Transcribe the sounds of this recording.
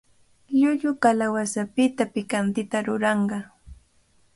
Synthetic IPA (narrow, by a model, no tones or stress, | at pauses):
ʎʊʎʊkalawasapɪt̪apɪkant̪ɪt̪aɾʊɾɑɴɢɑ